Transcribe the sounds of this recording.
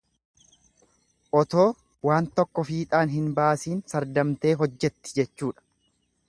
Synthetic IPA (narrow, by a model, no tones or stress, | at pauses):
ʔɔt̪o̞ː | waːnt̪ɔkːɔfiːt̪ʼaːnɦɪnbaːsiːnsɐɾd̪ɐmt̪e̞ːɦɔd͡ʒːɛt̪ːɪ̥d͡ʒɛt͡ʃːuːᶑɐ̥